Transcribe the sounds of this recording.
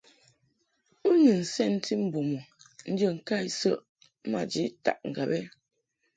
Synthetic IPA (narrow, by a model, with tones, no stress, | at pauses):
u˦ni˨n̩˨sɛ˦˨n̩˦tʰi˦m̩˦bo˨mo˨ | n̩˦d͡ʒə˦˨ŋ̩˨ka˦˨i˦sə˦ʔ | ma̰˨d͡ʒi˦ta̰˨ʔŋ̩˨ɡa˨bɛ˦